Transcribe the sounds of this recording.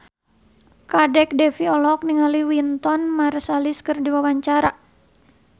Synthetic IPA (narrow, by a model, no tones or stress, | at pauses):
kadɛk̚dɛfiɔlɔk̚niŋaliwint̪ɔnmarsaliskərdiwawaɲt͡ʃaɾa